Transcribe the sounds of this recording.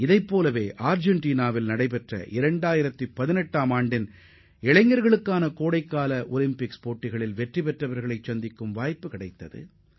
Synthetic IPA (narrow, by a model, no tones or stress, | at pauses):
ɪðɐɪpːoːlɐʋeːʔaːɾd͡ʒɛɳʈiːnaːʋɪlnɐɽɐɪpɛʈrɐ̰ʔɪɾɐɳɖaːjɪɾɐt̪ːipɐðɪnɛʈːaːmaːɳɖɪn | ɛɭɐɪŋɡɐɾɣɐɭɯkːaːnɐkoːɽɐɪkːaːlɐʔɔlɪmpɪkspoːʈːɪɣɐɭɪlʋɛʈripɛʈrɐʋɐɾɣɐɭɐɪt͡ʃːɐnd̪ɪkːɯmʋaːjpːɯkɪɽɐɪt̪ːɐðɯ̰